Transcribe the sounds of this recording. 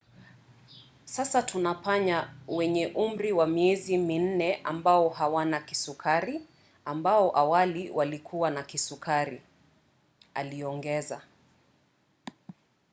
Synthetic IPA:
sasatunapaɲawɛɲɛʔum̩ɾiwamiɛzimin̩nɛʔambaɔɦawanakisukʰaɾi | ambaɔʔawaliwʔalikʰuwanakisukʰaɾi | a̰liɔŋɡɛza̰

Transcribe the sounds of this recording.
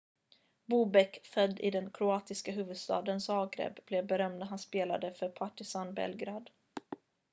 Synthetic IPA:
buːbɛkfœd̪ːɪ̰d̪ɛnkʰɾʊɑːt̪ɪskaɦʉːvɵd̪st̪ɑ̰ːd̪ənsɑːɡɾḛbblɛvbɛɾœmd̪aɦanspeːla̰d̪əfœɾpʰaʈɪsanbɛ̰lɡɾɑːd̪

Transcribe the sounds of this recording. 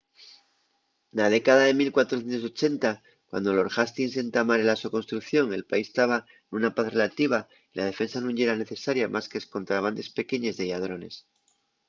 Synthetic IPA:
nað̞e̞kaðaðe̞milkwat̪ɾoθje̞nt̪o̞so̞t͡ʃe̞nt̪a | kwa̰nd̪o̞lo̞ɾxast̪ins̬e̞nt̪amaɾelasoko̞nst̪ɾukθjo̞ŋe̞lpaist̪aβa | enunapaθre̞lat̪iβ̞a | ilað̞e̞fe̞nsanũŋe̞ɾane̞θe̞saɾjamʔaskesko̞nt̪ɾaβ̞and̪e̞spe̞ke̞ɲe̞zðe̞ʝað̞ɾo̞ne̞s

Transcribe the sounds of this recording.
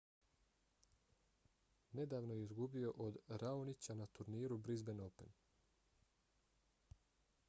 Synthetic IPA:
ne̞d̪aːʋnojeizɡubio̞ʔod̪ɾaonit͡ɕanat̪uɾniːɾubɾizbe̞nope̞n

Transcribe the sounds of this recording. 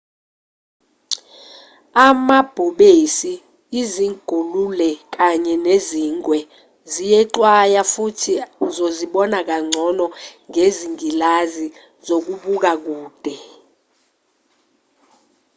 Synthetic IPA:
amab̥ʱuɓesiː | ziŋɡ̥ʱolulɛk̬aɲɛneziŋwɛ | zijɛǃwajafutʰizoziɓɔnak̬aŋ͡ǀʱɔnɔŋeziŋilazi | zok̬uɓuk̬ak̬uːd̥ʱɛ

